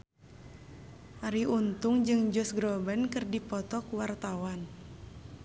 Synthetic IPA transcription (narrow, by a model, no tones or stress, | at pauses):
ʔaɾiʔunt̪uŋd͡ʒɨŋd͡ʒɔsɡɾɔbənkɨrdipɔt̪ɔkwart̪awan